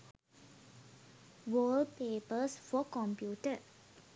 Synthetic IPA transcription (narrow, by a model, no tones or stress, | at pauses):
ʋoːlpeːpəsfɔkɔ̃mpjuːʈə